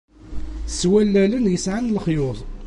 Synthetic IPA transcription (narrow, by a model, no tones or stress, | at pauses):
swælːælənjəsʕanlχjʊðˤ